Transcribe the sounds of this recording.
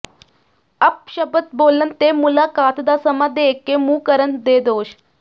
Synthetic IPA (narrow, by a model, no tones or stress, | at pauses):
əp̚ɕəbət̪̚bolənt̪emulakaːt̪d̪asəmad̪eekːemuːkəɾənd̪ed̪oːɕ